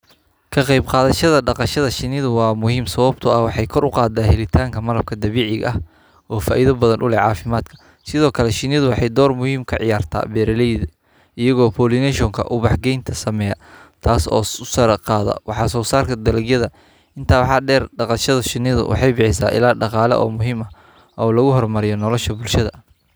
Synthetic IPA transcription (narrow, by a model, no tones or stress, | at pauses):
kʰɐqɑjbqɑːðɐʃɐðɐɖɑqɑʃɐðɐʃɪnɪðʊwɑːmʊhiːmsɐwɐb̚t̪ʰʊɐwɑħɑjkʰɔɾʊqɑːd̪aːhɛlɪt̪ʰaːŋkʰɐmɐlɐb̚kʰɐd̪ɐβiːʕɪɣɐh | ɔːfaːʔiðɐbɐðɐnʔʊlɛʕɑːfɪmaːd̪kʰɐ̥ | sɪðɔːkʰɐlɛʃɪnɪðʊwɑħɑjd̪ɔːrmʊhiːmkʰɐʕɪ̰jaːrt̪ʰa̰ːbɛːɾɐlɛjð | ʔɪjɐɣɔːpʰɔːlinɛʃɔŋkʰɐ̰ʔʊβɑħɡɛjnt̪ʰɐsɐmɛjɐt̪ʰaːsɔ̰ːʊsɐɾqɑːðɐ̰wɑħɑːsɔːsaːrkʰɐd̪ɐlɐɡjɐðɐ | ʔɪnt̪ʰaːwħɑːɖɛːrɖɑqɑʃɐðɐʃɪnɪðʊ̰wʔɑ̰ħɑjbɪħɪs̬a̰ːʔɪ̰laːɖɑqɑːlɛ̰ʔɔ̰ːmʊɦiːmɐ | ɔːlɐɣʊɦɔrmɐɾɪjɔnɔlɔʃɐbʊlʃɐðɐ